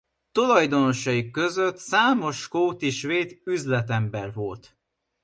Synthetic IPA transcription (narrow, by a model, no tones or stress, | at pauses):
t̪o̞lɒjd̪o̞no̞ʃɒjikːø̞zøt̪saːmo̞ʃkoːt̪iʃveːd̪yzlɛt̪ɛmbɛrvo̞lt̪